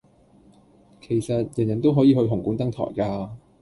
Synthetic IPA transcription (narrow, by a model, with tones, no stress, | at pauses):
kʰe˨˩jsɐ˨t̚jɐ˨˩njɐ˨˩nt̪o˥wɦɔː˨˥jiː˨˧hɵ˧ɦʊ˨˩ŋkuː˨˥nt̪ɐ˥ŋt̪ʰɔ̰ː˨˩jkaː˧